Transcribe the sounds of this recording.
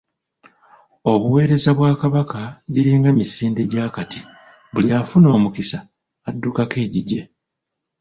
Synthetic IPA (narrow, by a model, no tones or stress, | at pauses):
o̞βuwe̞ːɾe̞zaβwaːkaβakaɟiɾiŋɡemisiːndeɟaːkati | βuliafuno̞ːmukisaː | dːukake̞ːɟiɟe̞